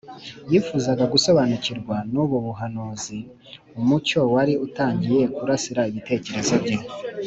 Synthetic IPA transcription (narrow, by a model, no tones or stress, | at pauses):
jifuːzaɡaɡuso̞βanuciɾɡwanuβuβuɦanuːzi | umuco̞waɾiutaːɲɟije̞kuɾasiɾaiβite̞ːce̞ɾe̞zo̞bɟe